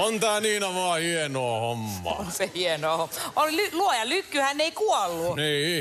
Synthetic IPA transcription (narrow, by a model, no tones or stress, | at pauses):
ont̪æːniːnɑʋɑhienoːhomːɑ̰onsehienoːhomolilyluojɑlykːyhænːeikuɔlːuniː